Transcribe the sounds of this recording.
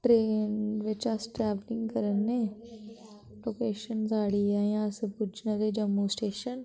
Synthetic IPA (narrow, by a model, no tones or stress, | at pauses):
ʈɾeːnʋɪt͡ʃasʈɾɛːʋlɪ̃ŋɡkəɾənːeː | loːkeːʃənzaːɽiːãːãspʊd͡ʒnãd̪eːd͡ʒəmːuːsʈeːʃən